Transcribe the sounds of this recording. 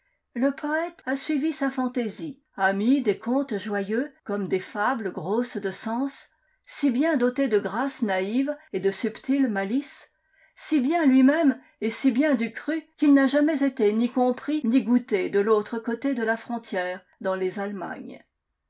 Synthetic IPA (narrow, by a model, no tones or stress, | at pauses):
ləpɔɛt̪asɥivisafɑ̃t̪ezi | amid̪ekɔ̃t̪ʒwajøkɔmd̪efabləɡʁosd̪əsɑ̃s | sibjɛ̃d̪ot̪ed̪əɡʁasnaived̪əsypt̪ilmalisː | ibjɛ̃lɥimɛm | esibjɛ̃d̪ykχykʲilnaʒamɛzet̪enikɔ̃pχiniɡut̪ed̪əlot̪χəkot̪ed̪əlafχɔ̃t̪jɛːʁ | d̪ɑ̃lezalma̰ɲ